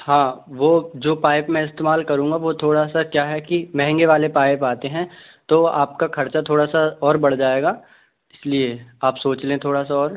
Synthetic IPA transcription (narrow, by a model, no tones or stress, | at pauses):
hãːʋoːd͡ʒoːpaːɪpmɛ̃ɪst̪eːmaːlkɐɾũːŋɡaʋot̪ʰoːɽasakjaːɦɛkimɛ̃ɦɛ̃ŋɡeʋaːlepaːɪpaːt̪eɦɛ̃ | t̪oːa̰ːp̚kaxʰɐɾt͡ʃat̪ʰoːɽasaɔːɾbɐɽd͡ʒaːeːɡaː | ɪslieaːpsoːt͡ʃlẽːt̪ʰoːɽasaɔːɾ